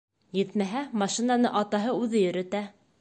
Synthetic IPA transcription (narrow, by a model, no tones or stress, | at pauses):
jɘt̪mæɦæmɑʃinɑnɤʔɑt̪ɑɦɤʉðɘjɵ̆ɾɘ̆t̪æ